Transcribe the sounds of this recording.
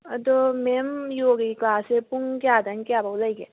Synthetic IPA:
t̪omemjoːɡiklaːsepuŋkjaːd̪ɐnkjaːbɐwlɐiɡe

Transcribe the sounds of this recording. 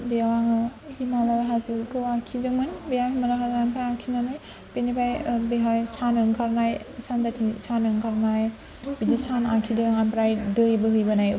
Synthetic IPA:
bijawaŋɯhimalaɾɦazɯkʰɯwakʰidɯmɯnbijawhimalaɦazaŋpʰajakʰinanaj | penibajbeɦajsanɯŋkʰaɾnajsandatʰisanɯŋkʰaɾnaj | bidisanakʰidɯŋanpɾajdɯjbɯɦɯjbɯnaj

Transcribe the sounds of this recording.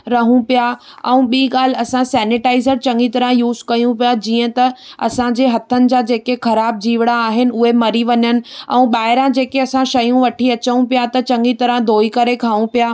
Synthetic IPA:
ɾɐɦũpija | ɛ̃ũɓiːɠaːl̤ɪ̆ɐsãsɛːnɪʈaːɪzəɾt͡ɕɐ̃ŋɡit̪ɐɾə̃ɦjuːzkɐjũpijad͡ʑiːə̃t̪ɐɐ̰sãd͡ʑeːɦɐt̪ʰənɪ̆d͡ʑaːd͡ʑeːkexɐɾaːb̚d͡ʑiːʋɪɽaːɦɪnɪ̆ʊɦemɐɾiʋɐɲənɪ̆ɛ̰̃ũɓaːɪɾãd͡ʑeːkeɐsãʃɐjũʋɐʈʰiɐt͡ɕəũpijat̪ɐt͡ɕɐ̃ŋɡit̪ɐɾə̃ɦd̪ʱoːikɐɾekʰaːʋũpijaː

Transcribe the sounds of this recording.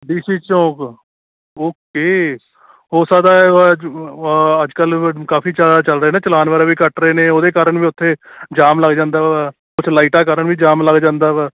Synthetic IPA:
ɖiːsiːt͡ʃõːk | oːkeː | hoːsaːd̪aːɛɛ | əd͡ʒkəlkaːpiːt͡ʃaːd̪aːt͡ʃəlɾəeːnãːt͡ʃəlaːnʋəːɾaːʋiːkəʈɾəeːnẽːoːd̪eːkaːɾəɳʋiːʊt̪ʰːeːd͡ʒaːmləɡd͡ʒãːnd̪aːʋɛːʋɛː | kʊt͡ʃʰlaːiːʈaːkəɾəɳʋiːd͡ʒaːmləɡd͡ʒãːnd̪aːʋɛː

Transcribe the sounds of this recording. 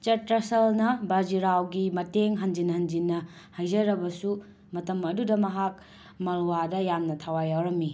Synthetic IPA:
t͡ʃɐtɾɐsɐlnɐbad͡ʒiɾawɡimɐteŋɦɐnd͡ʒinhɐnd͡ʒinːɐ | hajd͡ʒɐɾɐbɐsu | mɐtɐmɐdudɐmɐɦak̚ | mɐlwadɐjamnɐtʰawajawɾɐmːi

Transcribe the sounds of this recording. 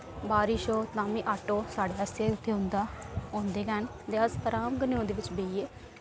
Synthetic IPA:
baːɾiːʃoːt̪ãːmĩːʔaːʈoːsaːɖeːəseːʊt̪ʰːeːɦʊ̃nd̪aːõːnd̪eːkɛːn | d̪eəzpəɾaːmɡəneõːd̪eːʋɪt͡ʃbeːieː

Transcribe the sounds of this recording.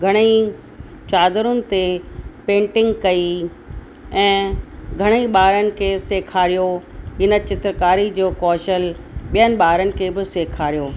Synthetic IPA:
ɡʱɐɽ̃i | t͡ɕaːd̪ɾʊnɪ̆t̪epẽːɳʈɪ̃ŋɡkɐi | ɛ̃ːɡʱɐɽ̃iɓaːɾənɪ̆kʰeːseːkʰaːɾijoɦɪnə̆t͡ɕɪt̪ɾəkaːɾid͡ʑoːkɔːʃəlɓijənɪ̆ɓaːɾənɪ̆kʰebɪseːkʰaːɾijoː

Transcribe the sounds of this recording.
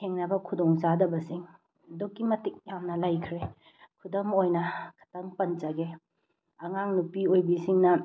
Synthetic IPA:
eŋnɐbɐkʰudɔŋsadɐbɐsiŋ | dokːimɐtik̚jamnɐlajkʰɾe | kʰudomojnɐkʰɐ̥tɐŋpɐnt͡ʃɐɡe | ɐŋaŋnupiojbisiŋnɐ

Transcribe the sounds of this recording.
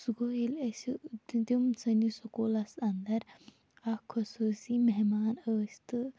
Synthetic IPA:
sɡojilɐsd̪umsʰɐnisɐkolɐsɐnd̪ɐɾ | ɐkʰɐsuːsimeɦmaːnəːsʲt̪ɨ

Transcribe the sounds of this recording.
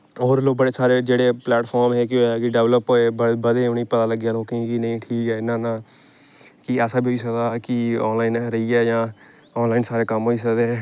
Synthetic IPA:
ɔːɾloːk̚bəɽeːsaːɾeːd͡ʒeːɽeːplɛːʈpʰɔːɾmɦɛːkɪkɪɖɛʋləpɦoːebəbəd̪eːʊniːpət̪aːləɡjaːloːkẽkinə̃ĩːʈʰiːkɛːɪnːãːnãː | kɪɛːsaːbioːiːs̬əkd̪akɪɔːnlaːinɾəiːɛːjãː | ɔːnlaːɪnsaːɾeːkəmɦoːiːs̬əkd̪eɛ̃ː

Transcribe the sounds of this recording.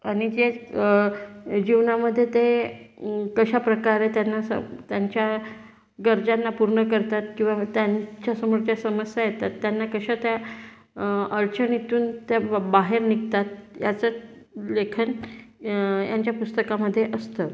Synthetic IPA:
aɽ̃id͡ʑe | d͡ʑiʋnaməd̪ʱːjet̪e | kəɕapɾəkaɾet̪janːasə̰t̪jaɲt͡ɕja | ɡəɾd͡zanːapuɾɳəkəɾt̪at̪kĩw̃ʋat̪jaɲt͡ɕjasəmoɾt͡ɕjasəməsjajet̪at̪ːjanːakəɕat̪ja | əɾt͡ɕənit̪uːnt̪abaɦeɾnikt̪at̪̚jat͡sə | lekʰən | ja̰ɲt͡ɕjapust̪əkaməd̪ʱːjeʔəst̪ə

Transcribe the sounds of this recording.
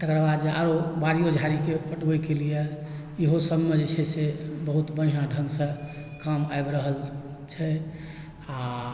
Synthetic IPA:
t̪əkɾbad̪d͡ʒeaɾobaɽijod͡ʒʱaɾikepəʈbɛkelije | iɦosəbmed͡ʒet͡ʃʰɛsebəɦut̪bəɽ̤ijãɖʱə̃ŋɡsə̃ | kamaebɾəɦəlt͡ʃʰɛ | a

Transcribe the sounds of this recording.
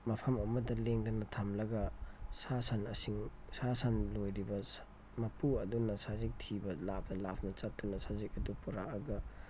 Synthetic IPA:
mɐpʰɐmɐmɐdɐleŋdɐnɐtʰamlɐɡɐsasanɐsiŋsasanlojɾibɐ | mɐpuɐdunɐsazik̚tʰibɐlapʰɐlapʰnɐt͡ʃat̚dunɐsazikɐdupuɾaɐɡɐ

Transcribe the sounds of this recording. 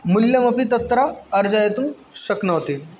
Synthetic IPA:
muljəmɐpit̪ɐt̪ːɾaəɾd͡ʑajet̪ũː | ɕəknəʋt̪e

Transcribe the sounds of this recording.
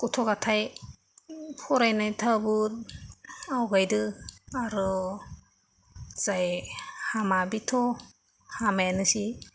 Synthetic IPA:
kutʰɔɡatʰaj | pʰɔɾajnajtʰabɯt̚ | awɡajdɯaɾɯ | z̥ajhamabitʰɔ | hamanɯsi

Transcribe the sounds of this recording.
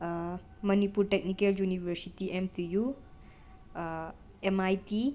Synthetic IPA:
mʌnipuɾʈek̚nikeljunibʱɐɾsitiʔemt̪iju | emajti

